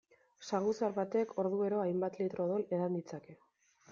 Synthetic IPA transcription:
saɣusaɾβat̪ekʰo̞ɾðue̞ɾoajmbat̪lit̪ɾo̞ðole̞ðand̪it͡sake̞

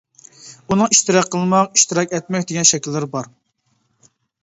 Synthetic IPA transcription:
unɨŋiʃt̪ɨɾɑqʰːəlˠmɑqiʃt̪ɨɾɑkʲɛt̪̚mɛkʲd̪eɡʲɛnʃɛkʲlːɪɾɪbɑɾ

